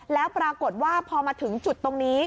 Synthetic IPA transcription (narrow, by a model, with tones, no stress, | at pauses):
lɛː˦˥wpɾaː˧ko˨˩t̪̚waː˥˩pʰɔː˧maː˧t̪ʰɯ˩˦ŋt͡ɕu˨˩t̪ːo˧ŋniː˦˥